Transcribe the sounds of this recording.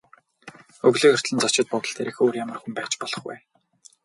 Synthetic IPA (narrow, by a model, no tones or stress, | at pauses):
ɵɣɮĭːkɵr̥t̪ɮə̆nt͡sɔt͡ɕɪ̆t̪̚pʊt̪ɞ̆ɬt̪ʰeːɾĭxoːrjamə̆rxumpæːt͡ɕpɔɮɞ̆χwæ̰ː